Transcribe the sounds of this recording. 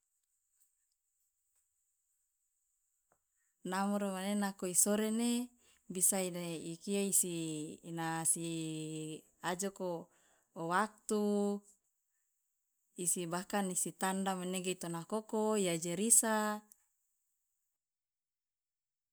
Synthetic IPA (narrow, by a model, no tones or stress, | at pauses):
namuɾemanenakoisoɾene | bisaineikiaisinasi | ad͡ʒoko | owak̚t̪u | isibakanisit̪andameneɡeit̪onakokoijad͡ʒeɾisa